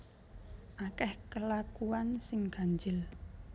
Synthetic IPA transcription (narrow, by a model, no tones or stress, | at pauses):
ʔakɛhkəlakuansɪŋɡ̥a̤ɲd͡ʒɪl